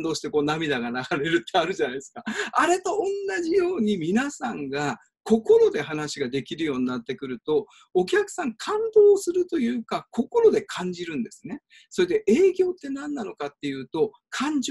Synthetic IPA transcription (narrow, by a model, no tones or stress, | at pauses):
d̪o̞ːɕi̥t̪e̞ko̞ːnamʲid̪aɡanaɡaɾe̞ɾɯ̟t̪ːe̞aɾɯ̟ʑanaisɨ̥kaaɾe̞t̪o̞õnːaʑijo̞ːɲ̟imʲinasãŋɡa | ko̞ko̞ɾo̞d̪e̞hanaɕiɡad̪e̞kʲiɾɯjo̞ːɲ̟inat̪ːe̞kɯ̟ɾɯ̟t̪o̞ː | k̬ʲakɯ̟̥sãŋkʰãnd̪o̞ːsɨɾɯ̟t̪o̞jɯ̟ːkako̞ko̞ɾo̞d̪e̞kʰãɲ̟d͡ʑiɾɯ̟̃nd̪e̞sɨ̥ne̞ | so̞ɾed̪eʔe̞ːɡʲo̞ːt̪ːe̞nãnːano̞kat̪ːe̞jɯ̟ːt̪o̞ | kʰãɲ̟d͡ʑ